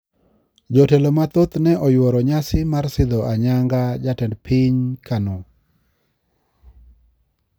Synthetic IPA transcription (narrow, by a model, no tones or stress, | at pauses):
d͡ʒɔtelomat̪ot̪nɛʔɔjwɔɾɔɲasɪmarsɪd̪ɔʔaɲaŋɡad͡ʒatɛndpʰɪɲkano